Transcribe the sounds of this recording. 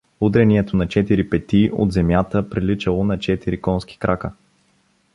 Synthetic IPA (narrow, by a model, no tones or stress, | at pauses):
ud̪ɾɛniɛt̪onɐt͡ʃɛt̪iɾipɛt̪io̰d̪zɛmjat̪əpɾilit͡ʃəlˠonɐt͡ʃɛt̪iɾikɔnski̥kɾʔakə